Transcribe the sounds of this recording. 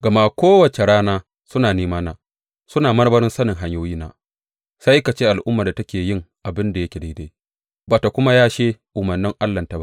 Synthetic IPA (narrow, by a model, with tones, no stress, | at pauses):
ɡɐ˨maː˦kʷoː˦wɐ˨t͡ʃe˨ɽaː˦naː˦ | sʊ˦naː˨neː˦maː˦naː˦ | sʊ˦naː˨mɐ˦ɾbɐ˦ɾɪ˦nsɐ˦nɪ˨ŋɦa˦ɲjoː˦jiː˦na̰ː˦ | sa˦jka˨t͡ʃeː˦ʔa˨lʔʊ˦mːaː˨da˨tɐ˦kʲeː˨jɪ˦ŋʔa˨bɪ˦nda˨jɐ˦kʲe˨da˦jde˦ | ba˨ta˨kʷʊ˦ma˦jaː˦ʃeː˦ʔʊ˨mɐ˨nːɪ˦ŋʔa˦lːɐ˨nta˨ba˦